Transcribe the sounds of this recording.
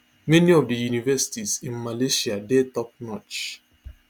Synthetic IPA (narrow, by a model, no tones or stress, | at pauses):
mɛniɔvdəjunivɛsi̥tizĩnmaleʃiadɛtɔp̚nɔt͡ʃ